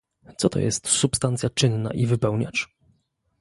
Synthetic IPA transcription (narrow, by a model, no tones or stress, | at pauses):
t̪sɔt̪ɔ̰jɛ̰st̪supst̪ant̪sjat͡ʂɘnːa̰ʔivɘpɛwɲa̰t͡ʂ